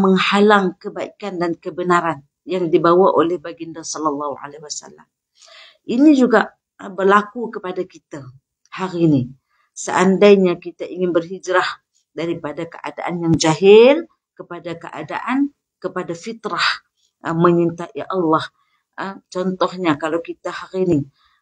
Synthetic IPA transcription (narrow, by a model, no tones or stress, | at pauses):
məŋhalaŋkəbaʔikandankəbənaɾan | jaŋdibawaʔolɛhbaɡindasɔləlːɑhua̰leiwasa̰lːa̰m | ʔinid͡ʒuɡaʔ | bərlakukəpadakit̪a | haɾini | sə̰ʔandajɲakit̪aʔiŋɪnbərɦid͡ʒɾah | daɾipadakəʔa̰da̰ʔanjaŋd͡ʒaɦɪl | kəpadakəʔa̰da̰ʔan | kəpadafit̪ɾah | məɲint̪aʔiʔɑlːɑh | ət͡ʃɔnt̪ɔhɲakalawkit̪ahaɾini